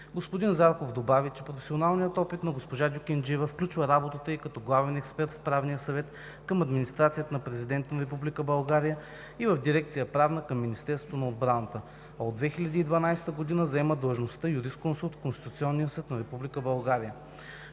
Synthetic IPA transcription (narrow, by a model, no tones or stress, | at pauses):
ɡospod̪inzaɾkovd̪obavit͡ʃɛpɾofɛ̥sionalˠnijət̪ɔpit̪nɐɡospoʒad̪ʲʊkʲɛnd͡ʒivəfklʲut͡ʃvəɾabot̪ət̪əikɐt̪ɔɡlˠavɛnɛkspɛɾt̪fpɾavnijəsɐvɛt̪ | kəmɐd̪minist̪ɾat̪sijət̪ənɐpɾɛzid̪ɛnt̪ənɐɾɛp̬ublʲikəbɐlˠɡaɾijə | ivəvd̪iɾɛk̚t̪sijəpɾavnəkəmːinist̪ɛɾsot̪onɐod̪bɾanət̪ə | ɐod̪ːvɛxilʲɐd̪iːd̪vɐnajst̪əɡod̪inəzɐɛməd̪əlˠʒnost̪əjuɾisknsot̪konst̪i̥t̪ut̪siɔnːijəsɤt̪nɐɾɛpublʲikəbɐlˠɡaɾijə